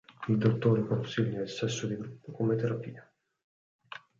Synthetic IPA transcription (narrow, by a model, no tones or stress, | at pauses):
ild̪ot̪ːoːɾekonsiʎːailsɛsːod̪iɡɾupːokomet̪eɾapiːa